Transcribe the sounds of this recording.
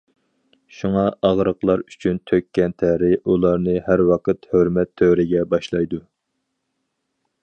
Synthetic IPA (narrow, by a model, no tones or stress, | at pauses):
ʃuŋɑʔɑʁɾəqlˠɑɾyt͡ʃʰynt̪ʰøkʲʰːɛnt̪ʰæɾɪulˠɑɾnɨhæɾwɑqʰət̪høɾmɛt̪ʰːøɾɪɡʲɛbɑʃlˠɑjd̪u